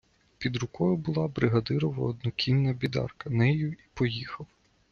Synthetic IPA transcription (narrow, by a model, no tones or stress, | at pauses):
pʲid̪ɾʊkɔjʊbʊlˠɑbɾɪɦɐd̪ɪɾɔʋɔ̰ːd̪nɔkʲinːɐbʲid̪ɑ̰rkɐnɛjʊipɔjixɐw